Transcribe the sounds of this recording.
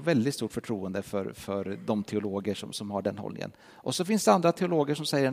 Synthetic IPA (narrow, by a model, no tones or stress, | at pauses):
vɛld̪ɪt̪st̪uːʈfœʈʰɾuːənd̪əfœɾfœɾd̪ɔmt̪ʰɛʊloːɡəʂɔ̰msɔmhaɖɛnhɔ̰lnɪ̰ŋə̰n | ʔɔsɔfɪnsd̪ɛand̪ɾat̪ʰɛʊloːɡəʂɔmsɛjːə